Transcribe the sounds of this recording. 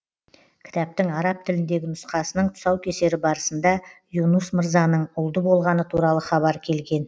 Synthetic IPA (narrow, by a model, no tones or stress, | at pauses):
kʲʰɪ̥t̪æp̚t̪ɪŋɑɾɑp̚t̪ʰɪlɪnd̪e̞ɡʲɪnʊsqɑsənəɴt̪ʰʊ̥sɑwkʲʰe̞se̞ɾɪbɑɾəsənd̪ɑjunusməɾzɑnəɴʊlˠd̪əbo̞lˠʁɑnət̪ʰuɾɑlˠəχɑβɑɾkʲʰe̞lɡʲe̞n